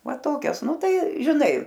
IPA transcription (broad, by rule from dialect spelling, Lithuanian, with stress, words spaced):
ˈʋɐ ˈtoːkʲɛs ˈnʊ ˈtɐɪ ʒʲɪˈnɐɪ